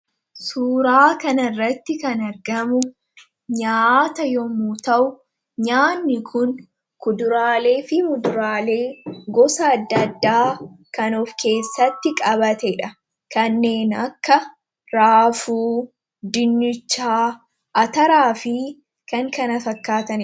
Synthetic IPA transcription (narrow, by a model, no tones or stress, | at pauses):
suːɾaːkɐnɐrːɐt̪ːɪkɐnɐɾɡɐmʊ | ɲaːt̪ɐjɔmut̪ɐʔʊ | ɲaːnːɪkʰʊn | kʊd̪ʊɾaːle̞ːfɪmʊd̪ʊɾaːle̞ːɡɔsɐːd̪ːɐd̪ːaː | kɐnofkʰe̞ːsːɐt̪ːɪkʼɐβɐt̪ɛᶑɐ | kɐnːe̞ːnɐkːɐ | ɾaːfuː | d̪ɪnːɪt͡ʃːaː | ʔɐt̪ɐɾaːfɪ | kɐŋkɐnɐfɐkːaːt̪ɐn